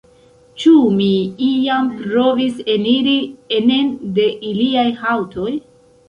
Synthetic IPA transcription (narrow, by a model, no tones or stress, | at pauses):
t͡ʃumiiampɾo̞viseniɾiene̞nde̞ʔiliajhawtʰo̞j